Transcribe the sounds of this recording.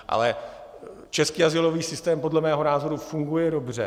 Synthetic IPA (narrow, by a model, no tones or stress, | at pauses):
ʔa̰lɛ | t͡ʃɛskiːazɪlo̞viːsɪst̪ɛːmpo̞dlɛmɛːɦo̞naːzo̞ɾufuŋɡujɛdo̞br̝ɛ̰